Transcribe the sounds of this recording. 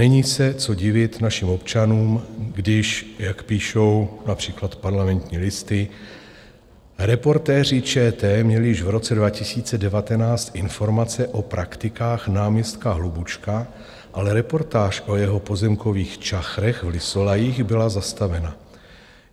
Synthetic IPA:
nɛɲiːsɛt͡so̞ɟɪvɪt̪naʃiːmo̞pt͡ʃanuːmɡdɪʃjakpiːʃo̞wnapr̝̥iːklat̪paɾlamɛnt̪ɲiːlɪst̪ɪ | ɾɛpo̞ɾt̪ɛːr̝ɪt͡ʃɛːt̪ɛːmɲɛlɪjɪʃvɾo̞t͡sɛdvacɪsiːt͡sɛdɛvat̪ɛnaːt͡st̪ʔɪnfo̞ɾmat͡sɛʔo̞pɾʔakt̪ɪkaːxnaːmɲɛst̪kaɦlubut͡ʃka | ʔalɛɾɛpo̞ɾt̪aːʃʔo̞jɛɦo̞po̞zɛmko̞viːxt͡ʃaxɾɛxvlɪsolajixbɪlazast̪avɛna

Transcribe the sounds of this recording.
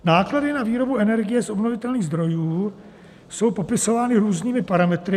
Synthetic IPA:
naːkladɪnaviːɾo̞buɛnɛɾɡɪjɛsʔo̞bnovɪt̪ɛlniːɣzd̪ɾo̞juː | so̞wpo̞pɪso̞vaːnɪɾuːzɲiːmɪpaɾamɛt̪ɾɪ

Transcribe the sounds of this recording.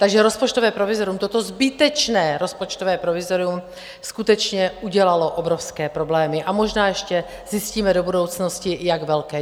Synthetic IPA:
t̪aɡʒɛɾospot͡ʃt̪ovɛːpɾovɪzoɾɪumt̪ot̪ozbɪt̪ɛt͡ʃnɛːɾospot͡ʃt̪ovɛːpɾovɪzoɾɪum | skut̪ɛt͡ʃɲɛuɟɛlaloʔobɾofskɛːpɾoblɛːmɪʔamoʒnaːjɛʃcɛ | zɪsciːmɛdobudo̞wt͡snoscɪjaɡvɛlkɛː

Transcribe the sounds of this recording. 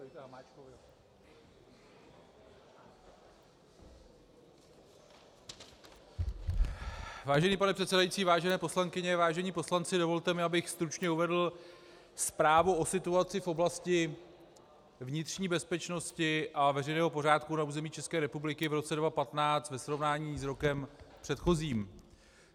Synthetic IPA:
makov | vaːʒɛniːpanɛpr̥ɛt̪sɛdajit͡siːvaːʒɛnɛːpo̞slaŋkɪɲɛvaːʒɛɲiːpo̞slant͡sɪdo̞vo̞lt̪ɛmɪabɪxst̪ɾut͡ʃɲɛuvɛdl̩ | spɾaːvuʔo̞sɪt̪uat͡sɪfʔo̞blascɪ | vɲɪt̪r̝̥ɲiːbɛspɛt͡ʃno̞scɪʔavɛrɛjnɛːɦo̞po̞ɾ̝aːt̪kunauːzɛmiːt͡ʃɛskɛːɾɛpublɪkɪvɾo̞t͡sɛdvapat̪naːt͡st̪vɛsɾo̞vnaːɲiːsɾo̞kɛmpr̥ɛt̪xo̞ziːm

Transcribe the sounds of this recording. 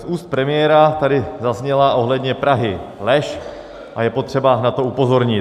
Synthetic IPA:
ʔuːst̪̚pɾɛmɪjɛɾat̪adɪzazɲɛlaʔo̞ɦlɛdɲɛpɾaɦɪlɛʃ | ʔajɛpo̞t̪r̝̥ɛbanat̪o̞upo̞zo̞ɾɲɪ

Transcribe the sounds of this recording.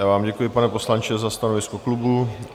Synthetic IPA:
jaːvaːmɟɛkujɪpanɛpo̞slant͡ʃɛzast̪anovɪskoklubu

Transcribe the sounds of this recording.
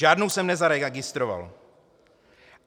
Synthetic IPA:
aːdnowsɛmnɛzaɾɛɡɪst̪ɾova̰l

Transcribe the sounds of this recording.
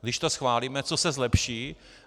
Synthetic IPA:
ɡd̪ɪʃt̪osxvaːliːmɛt͡sosɛzlɛpʃiː

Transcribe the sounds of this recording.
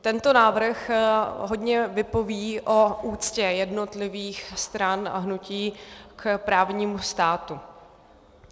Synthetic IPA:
t̪ɛnt̪o̞naːvr̩xɦo̞dɲɛvɪpo̞viːʔoʔuːt͡scɛjɛdno̞t̪lɪviːxst̪ɾana̰ɦnuciːkpɾaːvɲiːmust̪aːt̪u

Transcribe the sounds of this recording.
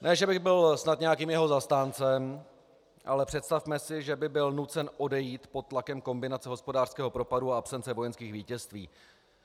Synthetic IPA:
nʔɛːʒɛbɪɣbɪlsnat̪ɲɛjakiːmjɛɦo̞zast̪aːnt͡sɛm | ʔa̰lɛpr̝̥ɛt̪st̪afmɛsɪʒɛbɪbɪlnut͡sɛnʔo̞dɛjiːt̪po̞t̪̚ːlakɛmko̞mbɪnat͡sɛɦo̞spo̞daːr̥skɛːɦopɾo̞paduaapsɛnt͡sɛvo̞jɛnskiːxviːcɛst̪viː

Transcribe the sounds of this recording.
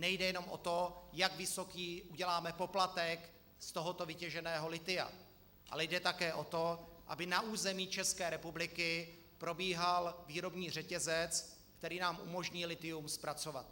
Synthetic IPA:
nɛjdɛjɛno̞mʔo̞̰t̪o̞jaɡvɪso̞kiːʔuɟɛlaːmɛpo̞plat̪ɛk | st̪o̞ɦo̞t̪o̞vɪcɛʒɛnɛːɦo̞lɪt̪ɪa̰ | ʔa̰lɛjdɛt̪akɛːʔo̞t̪o̞ʔa̰bɪnaʔuːzɛmiːt͡ʃɛskɛːɾɛpublɪkɪ | pɾo̞biːɦalviːɾo̞bɲiːr̝ɛcɛzɛt͡s | kt̪ɛɾiːnaːmʔṵmo̞ʒɲɪlɪt̪ɪumspɾat͡so̞va̰t̪̚

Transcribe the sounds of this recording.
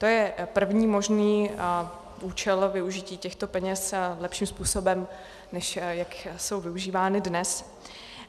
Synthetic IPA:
t̪o̞jɛpr̩vɲiːmo̞ʒniː | ʔuːt͡ʃɛlvɪuʒɪciːcɛxt̪o̞pɛɲɛslɛpʃiːmspuːso̞bɛm | nɛʃjakso̞wvɪuʒiːvaːnɪdnɛs

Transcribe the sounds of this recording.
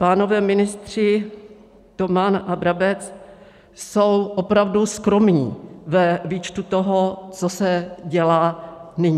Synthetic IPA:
paːno̞vɛːmɪnɪst̪r̝̥ɪ | t̪o̞manʔabɾabɛt͡s | so̞wʔo̞pɾavduskɾo̞mɲḭːvɛviːt͡ʃt̪ut̪o̞ɦot͡sosɛɟɛlaːnɪɲ

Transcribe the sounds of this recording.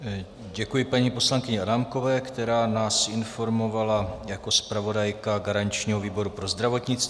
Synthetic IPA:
ɟɛkujɪpaɲipo̞slaŋkɪɲɛadamko̞vɛːkt̪ɛɾaːnaːsɪnfo̞ɾmo̞valajako̞spɾavo̞dajkaɡaɾaɲt͡ʃɲiːɦo̞viːbo̞ɾupɾo̞zd̪ɾavo̞t̪ɲɪt͡st̪

